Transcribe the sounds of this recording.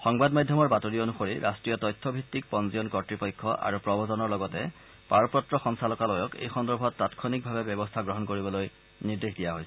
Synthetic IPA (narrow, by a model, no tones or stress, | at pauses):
xɔŋbadmadʱjɔmɔɹbatoɹioonuxoɹiɹʔastɹijɔtɔjtʰːɔbʱitːik̚pɔnzijɔnkɔtɹipɔjkʰːɔʔa̰ɹupɹɔbʱɔzɔnɔɹlɔɡɔtɛ | paɹɔpɹɔtɹɔxɔŋsʰalɔkalɔjɔkḛjxɔndɔɹbʱɔtːatkʰɔnik̚bʱabɛbjɔbɔstʰaɡɹɔɦɔnkoɹibɔloj | niɹdexdijaɦojsɛ